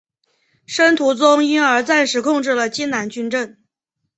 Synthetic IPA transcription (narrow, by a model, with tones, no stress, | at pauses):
ʂə˥nt̪ʰu˧˥t͡sʊ˥ŋi˥nə˞˧˥t͡sa˥˩nʂɻ̩˧˥kʰʊ˥˧ŋʈ͡ʂɻ̩˥˩lə˩t͡ɕi˥nna˧˥nt͡ɕy˥nʈ͡ʂə˥˩ŋ